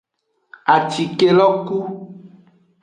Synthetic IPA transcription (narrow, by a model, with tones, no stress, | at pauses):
a˨t͡ʃi˨ke˦lɔ˦ku˦